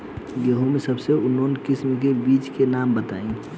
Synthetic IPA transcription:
jeɦũmẽsəbseʊnonkɪsmkebiːt͡ʃkenaːmbət̪a̰ːĩ

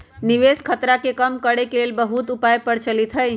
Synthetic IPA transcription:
niʋeskʰət̪ɾakekəmkəɽekelelbəɦut̪upajpəɾt͡ʃəlit̪ʰəj

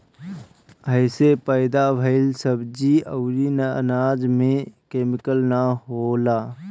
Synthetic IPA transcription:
əɪsepəɪd̪abʱəɪlsəbd͡ʒiəʊɾinənaːd͡ʒmẽkeːmɪkəlnaɦolaː

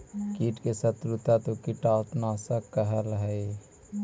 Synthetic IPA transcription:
kiːʈkesət̪ɾut̪at̪okiʈaːt̪naːsəkːəɦəlɦɛi

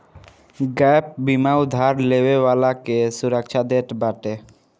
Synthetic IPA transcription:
ɡɛp̚bimawd̪ʱaɾlebebalakesuɾəkʃʰad̪eʈbaʈe

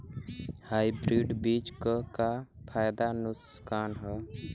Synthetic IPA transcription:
haːjbɾiːɖbiːt͡ʃkəkapʰaːjd̪anʊskaːnɦəː

